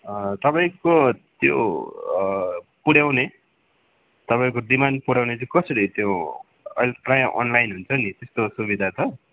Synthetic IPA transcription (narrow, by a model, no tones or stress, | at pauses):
ʌt̪ʌpaĩkot̪jo̰ | puɽjawne | t̪ʌpaĩkod̪imanpuɽjawnet͡skʌsʌɾit̪jo | ʌjlprajaʔʌ̰nlajnɦunt͡sʰʌnit̪est̪osubid̪ʱat͡sʰʌ